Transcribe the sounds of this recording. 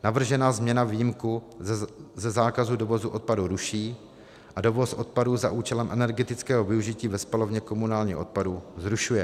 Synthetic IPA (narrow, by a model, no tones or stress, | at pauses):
navr̩ʒɛnaːzmɲɛnaviːjimku | zɛzaːkazudo̞vo̞zuʔot̪̚paduɾuʃiː | ʔado̞vo̞sʔo̞t̪̚paduza̰ʔuːt͡ʃɛlɛmʔɛnɛɾɡɛt̪ɪt͡skɛːɦovɪuʒɪciːvɛspalo̞vɲɛko̞munaːlɲḭːxo̞̰t̪̚paduzɾuʃujɛ